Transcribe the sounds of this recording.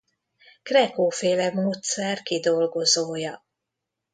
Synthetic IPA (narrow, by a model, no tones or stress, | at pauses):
krɛkoːfeːlɛmoːt̪sɛrkid̪o̞lɡo̞zoːjɒ